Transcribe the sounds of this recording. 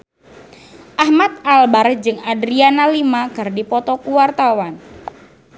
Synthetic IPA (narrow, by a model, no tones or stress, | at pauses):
ʔahmat̪̚albard͡ʒɨŋadɾianalimaɡ̥a̤rdipɔt̪ɔkuwart̪awan